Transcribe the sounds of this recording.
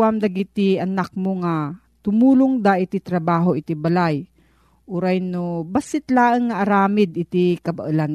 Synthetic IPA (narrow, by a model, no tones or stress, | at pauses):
amd̪ɐɡit̪iɐnak̚moŋa | t̪ʊmuːlʊŋd̪aʔɪt̪it̪ɾɐbaːɦoʔɪt̪ibɐlaj | ʔuɾajnobasɪt̪laːəŋːaʔːɾaːmɪd̪ɪt̪ikɐbaʔɨlan